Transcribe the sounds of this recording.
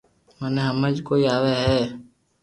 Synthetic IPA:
mənẽːɦəməd͡ʒkoːiːaːʋeːɦɛː

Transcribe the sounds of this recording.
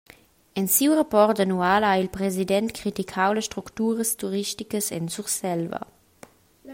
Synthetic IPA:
ɛnsiwʁapɔʁtdanuaːlailpɾɛzidɛnt̪kʰɾitikʰawləsʃtʁukt̪uːʁəstuʁiʃtikəsɛ̰nsuʁsɛlvə̰

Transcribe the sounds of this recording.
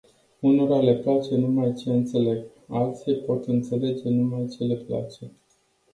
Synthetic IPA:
unoɾale̞plat͡ʃe̞numajt͡ʃe̞ɨnt̪se̞le̞ɡ | alt̪sijpo̞t̪ɨnt̪se̞le̞d͡ʒe̞numajt͡ʃe̞le̞pla̰t͡ʃe̞

